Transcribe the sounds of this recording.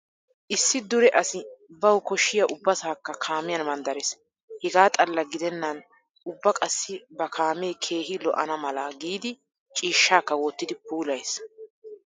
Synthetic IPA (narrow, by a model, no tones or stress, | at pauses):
ʔɪsːɪd̪ʊɾɛʔɐsɪbɐwkɔʃːɪjɐʔʊbːɐsaːkːɐkʰaːmɪjɐnmɐnd̪ɐɾɛs | hɛɡaːt̪ʼɐlːɐɡɪd̪ɛnːɐn | ʊbːɐkʼɐsːɪbɐkʰaːmejkʰe̞ːɦɪlɔʔɐnɐmɐlɐɡiːd̪ɪ | t͡ʃʼiːʃːaːkːɐwɔt̪ːɪd̪ɪpuːlɐjs